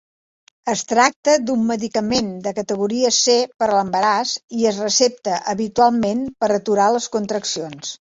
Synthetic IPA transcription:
əst̪ɾak̚t̪əd̪umːəðikəmend̪əkət̪əɣ̞uɾiəsepəɾləmbəɾaziəzrəsep̚t̪əʔəβit̪ualˠmenpəɾət̪uɾaləskunt̪ɾəksions

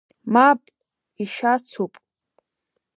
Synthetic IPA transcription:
mapʼ | iʃat͡sʰupʼ

